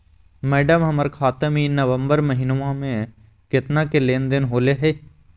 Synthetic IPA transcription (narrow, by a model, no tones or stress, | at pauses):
mɛːɖəmɦəməɾkʰaːt̪əminəʋə̃mbəɾməɦɪnʋãmẽ | kɪt̪nakeleːnd̪ɪnɦoːleɦɛː